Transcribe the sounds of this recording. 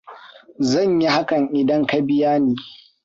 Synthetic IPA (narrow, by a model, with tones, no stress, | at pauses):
zɐ˦˨ɲji˦ha˦kɐ˨ŋʔɪ˨dɐ˦ŋka˦bɪ˦jaː˦niː˦